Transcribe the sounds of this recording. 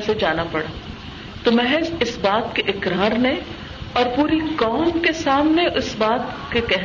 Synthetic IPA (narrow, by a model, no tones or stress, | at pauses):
sed͡ʒaːnapɐɽa | t̪omɛɦezɪsbaːt̪keʔɪkɾaːɾnẽ | ɔːɾpuːɾikɔːmkesaːmneʔʊsbaːt̪kekɛɦ